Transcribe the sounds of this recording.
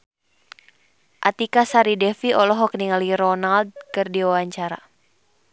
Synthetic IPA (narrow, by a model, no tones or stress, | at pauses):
ʔat̪ikasaɾidɛfiɔlɔɦɔkniŋaliɾɔnald̪̚kɨrdiwawaɲt͡ʃaɾa̰